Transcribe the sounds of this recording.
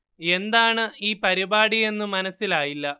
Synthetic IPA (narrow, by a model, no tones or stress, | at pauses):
e̞nd̪aːɳɨiːpɐɾibaːɽije̞nːumɐnɐsːilaːjilːɐ